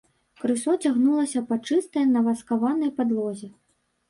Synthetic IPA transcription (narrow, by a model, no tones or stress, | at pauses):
kɾɨsɔt͡sʲaɣnulˠɐsʲɐpɐt͡ʂɨst̪ɐjnɐvaskavanɐjpad̪lˠɔzʲɛ